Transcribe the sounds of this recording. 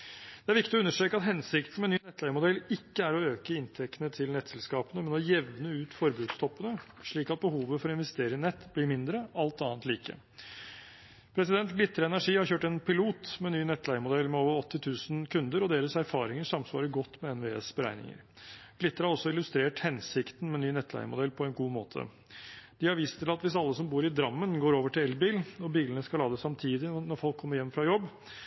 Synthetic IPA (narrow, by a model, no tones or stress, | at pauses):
d̪̥ɛæɾʋɪkt̪ɪɔʉnːəʂʈɾeːkəɑt̪ɦɛnsɪkt̪ən̩mɛnyːnɛt̪ʰːlæɪmʊd̪ɛlːɪkːəæɾɔøːkəɪnt̪ʰɛkt̪ənət̪ʰɪlnɛt̪sɛlskɑːpənəmɛnɔjɛʋnəʉːt̪fɔɾbʉːd̪st̪ʰɔpːənəʂɭiːkɑt̪̚bəhuːʋəfɔɾɔɪnʋɛst̪eːɾəɪɪnɛt̪ːblɪɾmɪnd̪ɾəɑlt̪ɑːnt̪liːkə̰ | pʰɾɛsɪd̪ɛnt̪ɡlɪt̪ːəɾəɛnæʂiːhɑɾçøːʈɛnpʰɪluːt̪mɛnyːnɛt̪ːlæɪəmʊd̪ɛlːmɛoːʋəɾɔt̪ːɪt̪ʰʉːsn̩kʰʉnd̪əɾɔd̪eːɾəsæɾfɑːɾɪŋəʂɑmsʋɑ̰ːɾəɡɔt̪ːmɛɛnʋeːḛsbəɾæ̰ɪnɪ̰ŋə̰ɾ | ɡ̥lɪt̪ːɾəhɑɾɔsːɔɪlʉst̪ɾeːʈhɛnsɪkt̪n̩mɛnːyːnɛt̪ʰːlæ̰ɪəmʊd̪ɛlːpʰɔɛnɡuːmo̰ːt̪ʰə̰ | d̪̥ɪhɑɾʋiːst̪ʰɪlɑt̪ʋɪsɑlːəsɔmbuːɾɪd̪ɾɑmːənɡoːɾoːʋəʈɪlɛlbiːlɔbiːlənəskɑlɑːd̪əsɑmt̪ʰiːd̪ɪnɔɾfɔlkʰːɔməɾjɛmːfɾɑjɔbː